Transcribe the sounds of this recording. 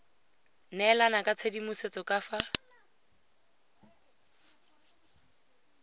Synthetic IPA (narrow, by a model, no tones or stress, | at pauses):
nɛlanakʼat͡sʰedimʊset͡sɔkʼafa